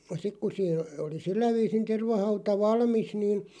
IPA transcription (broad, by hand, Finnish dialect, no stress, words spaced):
sik ku siːn oli silːæ ʋiːsin terʋɑhɑutɑ ʋɑlmis niːn